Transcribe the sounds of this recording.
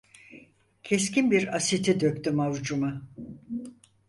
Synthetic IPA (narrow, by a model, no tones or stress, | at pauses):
cʰescinbiɾasit̪ʰid̪økʲt̪ymavd͡ʒuma